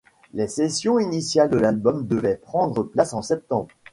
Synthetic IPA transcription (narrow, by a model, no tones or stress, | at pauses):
lesesjɔ̃inisjald̪əlalbɔmd̪əvɛpχɑ̃d̪ʁəplasɑ̃sɛp̚t̪ɑ̃bʁ